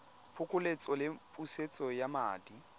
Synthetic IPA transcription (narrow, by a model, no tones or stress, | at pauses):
pʰʊkʼʊlet͡sʼɔlɪpʼuset͡sʼɔjama̰ːdi